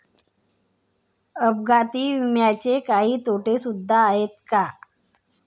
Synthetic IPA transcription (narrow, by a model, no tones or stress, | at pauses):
əb̚ɡat̪iːʋimjat͡ɕekaɦiːt̪ʰoʈesud̪ʱːaːɦet̪̚ka